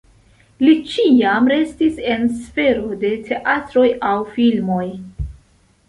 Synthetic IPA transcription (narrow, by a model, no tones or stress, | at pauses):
lit͡ʃiamɾe̞stise̞nsfe̞ɾo̞de̞tʰe̞ʔatɾo̞jawfilmo̞j